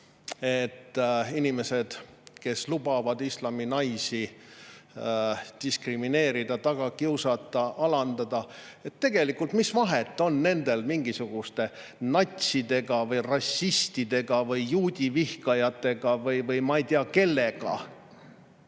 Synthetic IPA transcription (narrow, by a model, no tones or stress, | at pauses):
e̞t̪ːinime̞se̞d̪̥ | ke̞slubɑvɑd̪islɑminɑjsi | d̪̥iskrimine̞ːɾid̪̥ɑt̪ɑɡ̥ɑkiwsɑt̪ːˑɑʔɑlɑnd̪ɑd̪̥ɑ | e̞t̪ːe̞ɡ̥e̞likːˑult̪misvɑɦet̪ːˑo̞nːne̞nd̪̥e̞lmiŋɡisuɡ̥ust̪e̞ | nɑt̪ʲsid̪̥e̞ɡɑvɤjrɑsʲːist̪id̪̥e̞ɡ̥ɑvɯjːuːd̪̥ʲivihkɑjɑt̪ːˑe̞ɡ̥ɑvɯjvɯjmɑit̪eɑke̞lːe̞ɡ̥ɑ̰